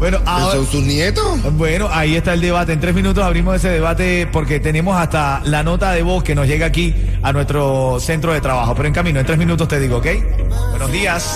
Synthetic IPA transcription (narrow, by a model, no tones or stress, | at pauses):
bwenoʔasowst̪usnjet̪osbweno̞ʔaie̞st̪ae̞ld̪e̞β̞at̪eːnt̪ɾesmĩnut̪osaβɾimoses̬eðeβ̞at̪e̞po̞ɾke̞t̪e̞nẽ̞mosast̪a | lano̞t̪aðe̞βo̞ske̞no̞sʝe̞ɣaːki | anwe̞st̪ɾo̞se̞nt̪ɾoðe̞t̪ɾaβaxo̞pe̞ɾoe̞ŋkamĩnoent̪ɾe̞zmĩnũt̪̬ost̪e̞ðiɣoːkej | bwe̞nozðias